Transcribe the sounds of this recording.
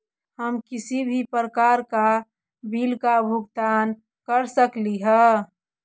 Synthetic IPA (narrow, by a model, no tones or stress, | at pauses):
həmkɪsibʱipɾəkaːɾka | bʱilkabʱʊɡt̪aːn | kəɾsəkliɦɛ